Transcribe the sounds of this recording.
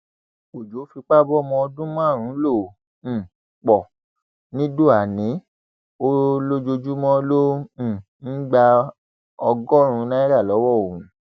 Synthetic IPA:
k͡po˨d͡ʒo˨o˦fi˧k͡pa˦˨bɔ˦mɔ̃˧ɔ˧dũ˦mã˦˨ɾ̃ũ˨˦lõ˦˨ | k͡pɔ˨ | nĩ˨˦do˦˨a˨nĩ˨˦ | o˦lo˦d͡ʒo˧d͡ʒu˦mɔ̃˦lõ˦˨ | n̩˦ɡ͡ba˧ | ɔ˧ɡɔ˦˨ɾ̃ũ˨˧˦nã˦i˦ɾa˦˨lɔ˨˦wɔ˦˨o˨ɾ̃ĩ˨˦

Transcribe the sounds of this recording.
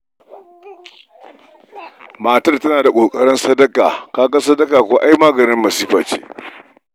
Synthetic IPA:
maː˨tɐ˦rtɐ˦naː˨da˨kʷʼoː˨kʼɐ˦ɽɪ˦nsɐ˦dɐ˦kaː˨kaː˦ɡɐ˦sɐ˦dɐ˦kaː˨kʷoː˨˦ʔa˦jmaː˦ɡɐ˨nɪ˦mːɐ˨siː˦ɸaː˨t͡ʃḛː˦

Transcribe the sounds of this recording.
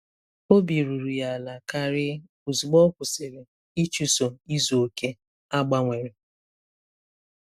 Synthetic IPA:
o˦bi˨ɾu˨ɾu˨ja˨la˨ka˦ɾɪ˦ | u˨zu˨ɡ͡bɔ˦kʷʊ˨sɪ˨ɾe˨ | i˦t͡ʃu˦so˨i˦zo˨o˨ke˦ | a˦ɡ͡ba˦ŋʷe˨ɾɪ˨

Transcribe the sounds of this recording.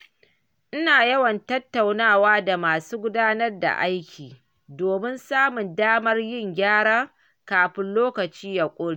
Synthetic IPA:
ʔɪ˦naː˨jɐ˦wɐ˨ntɐ˦tːa˨wnaː˦waː˦da˨maː˨suː˦ɡʷʊ˦daː˦nɐ˦rda̰˨ʔa˦jkʲʰiː˨ | doː˨mɪ˦nsaː˦mʊ˨ndaː˦mɐ˦rjɪ˦˨ŋɡʲaː˦ɽaː˦ | kaː˨ɸɪ˦nloː˦kɐ˨t͡ʃiː˦ja˨kʷʼʊː˦ɽeː˦ʔ

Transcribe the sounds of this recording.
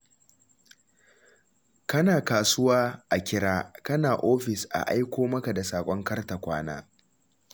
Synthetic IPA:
kɐ˦naː˨kaː˨sʊ˦waː˦ʔa˨kʲɪ˦ɽaː˦kɐ˦naː˨ʔoː˦ɸɪ˨sʔa̰˨ʔa˦jkʷoː˦mɐ˦ka˨da˨saː˨kʷʼɔ˦ŋkɐ˦rta˨kʷaː˦na̰ː˦

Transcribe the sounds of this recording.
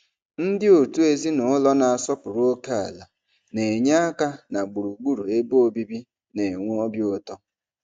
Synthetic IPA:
n̩˦dɪ˦o˨tu˦e˨zi˦nʊ˨˦lɔ˦na˨a˨sɔ˦pʊ˨ɾo˦ke˦a̰˨la˨ | ne˨ɲa˦a˦ka˦na˨ɡ͡bu˨ɾu˨ɡ͡bu˦ɾu˨e˦bo˦bi˦bi˦ | ne˨ŋʷu˦ɔ˦bjo˦tɔ˦

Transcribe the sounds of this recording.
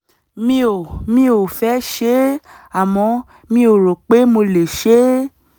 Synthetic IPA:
mĩ˧˦o˨mĩ˧˦o˨fɛ˨˦ʃe˦a˨mɔ̃˨˧˦ | mĩ˧˦o˨ɾo˨k͡pe˨˦mo˧le˨ʃe˦

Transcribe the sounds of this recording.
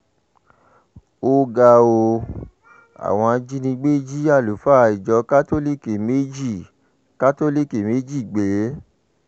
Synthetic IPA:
o˧ɡa˧o˧ | a̰˨w̃ɔ̃˧d͡ʒi˦nĩ˧ɡ͡be˦d͡ʒi˦a˦˨lu˨fa˦˧i˨d͡ʒɔ˧˦ka˦to˦li˦ke˨me˦d͡ʒi˦˨ | ka˦to˦li˦ke˨me˦d͡ʒi˦˨ɡ͡be˨˦

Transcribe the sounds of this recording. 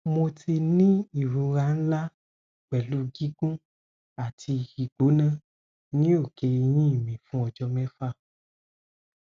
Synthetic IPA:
mo˧tʰi˧nĩ˦i˦˨ɾũ˨˧ɾa˧n̩˦la˦˨ | k͡pɛ˨lu˨˦ɡi˦ɡũ˦ | a˦˨tʰi˧i˨ɡ͡bo˨˦nã˦˨ | nĩ˦o˦˨ke˧i˧jĩ˦i˦˨mĩ˨fũ˦ɔ˧d͡ʒɔ˧mɛ̃˦fa˦˨

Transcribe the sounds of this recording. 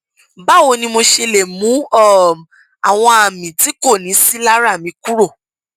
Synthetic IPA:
ba˦˨wo˧nĩ˧mo˧ʃe˧le˨mũ˨˦ɔ˦˨ | a˨w̃ɔ̃˧a˨mĩ˨ti˨˦ko˦˨nĩ˨˦si˦la˦ɾa˦˨mĩ˧˦ku˦ɾo˦˨

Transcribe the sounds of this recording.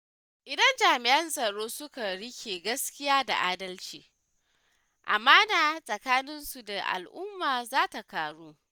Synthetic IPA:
ʔɪ˨dɐ˦nd͡ʒaː˨mɪ˨ʔɐ˦nsʼɐ˨ɽoː˦sʊ˦ka˨ɽɪ˦kʲʰeː˨ɡɐ˦skʲɪ˦jaː˦da̰˨ʔaː˦dɐ˦lt͡ʃiː˨ | ʔa̰˨maː˦naː˨sʼɐ˨kaː˦nɪ˦nsu˨da˨ʔa̰˨lʔʊ˦mːaː˨zaː˦ta˨kaː˨ɽuː˦

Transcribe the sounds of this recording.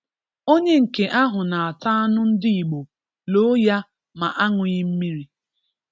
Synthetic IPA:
o˦ɲe˦ŋ̩˨ke˨ʔa˦ɦʊ˨na˨a˨ta˦a˦nʊ˦n̩˦dɪ˦i˨ɡ͡bo˨ | lo˦ja˦ | ma˨ʔa˦ŋʊ˨ɲɪ˦m̩˦mi˦ɾi˦

